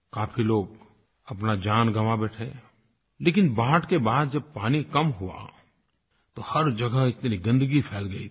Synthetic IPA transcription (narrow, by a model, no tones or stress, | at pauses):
kaːpʰiloːɡ̚ | ɐpnad͡ʒaːnɡɐʋabɛːʈʰeː | leːkɪnbaːɦʈkebaːd̪̚d͡ʒɐb̚paːnikɐmɦʊwa̰ | t̪ohɐɾd͡ʒɐɡəɦɪt̪nɾiɡɐ̃nd̪əɡipʰɛːlɡɐi